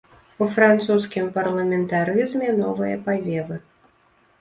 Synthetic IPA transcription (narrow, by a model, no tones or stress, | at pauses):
ufɾant̪suskʲimpɐrlˠɐmʲɛnt̪aɾɨzmʲɛnɔvɨjɛpavʲɛvɨ